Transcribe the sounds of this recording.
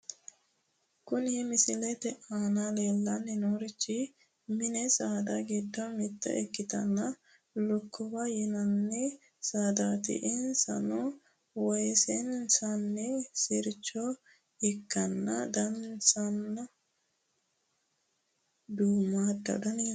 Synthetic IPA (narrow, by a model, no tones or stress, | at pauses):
kʊnɛmɪsɪlɛt̪ɛʔaːnaleːlːɐnːɪnoɾɪt͡ʃːɪ | mɪnɛsaːd̪aɡɪd̪ːɔmɪt̪ːɐ̰ʔɛkːɪt̪ɐnːɐ | lʊkːɔbɐjɪnɐnːɛ | saːd̪aːt̪ɪ̰ʔɪnsɐ̰nu | wɔjsɛnsɐnːɛsɪɾt͡ʃːo | ɪkːɐnːɐd̪ɐnsɐnːɐ | d̪uːmaːd̪ɐ̰d̪ɐni